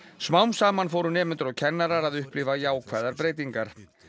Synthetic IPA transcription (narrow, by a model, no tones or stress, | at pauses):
smawmsaːmanfoːwɾʏnɛːmɪnt̪ʏɾɔɣcʰɛnːaɾaɾaðʏhplɪvajaːwkʰvɛːðaɾpɾeːjt̪iŋkaɾ̥